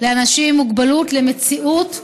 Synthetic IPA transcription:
leanaʃimːuɡbalut̪lemet͡siʔut̪

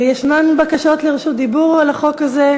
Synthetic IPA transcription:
jeʃmanbakaʃo̞t̪leʁiʃut̪̚d̪ibuʁolaχo̞kaze

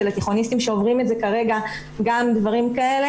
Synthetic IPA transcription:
elat̪eχo̞nist̪imʃe̞o̞vʁimeze̞kaʁe̞ɡa | ɡamd̪vaʁimkae̞le

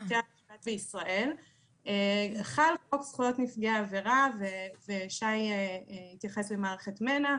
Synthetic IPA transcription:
tea | atbeisʁaʔe̞l | eaχalχoksχujo̞tnifɡeaːveʁaveveʃajehit̪jaχe̞sbemaːʁeχetmena

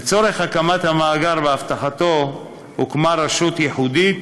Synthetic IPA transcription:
et͡so̞ɾe̞χakamat̪hamaːɡaɾveaft̪aχat̪o̞ | hukmaɾaʃut̪jeħud̪it

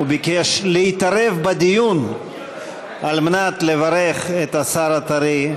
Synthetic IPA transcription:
bikeʃleit̪aɾevbad̪ijun | almenat̪levaɾeχet̪asaɾat̪aɾi

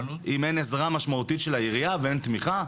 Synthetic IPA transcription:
ʔimene̞zʁamaʃmaut̪itʃelaiʁijaveent̪miχa

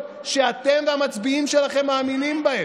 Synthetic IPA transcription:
ʃeat̪emveamat͡sbiimʃelaχe̞mːaːminimbae

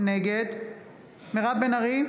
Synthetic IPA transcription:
neɡed̪ | meʁabbenaʁi

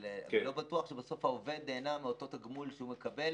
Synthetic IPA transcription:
leelo̞bat̪uaχʃebaso̞fhaove̞d̪neːnameot̪o̞t̪aɡmulʃehumekabe̞l

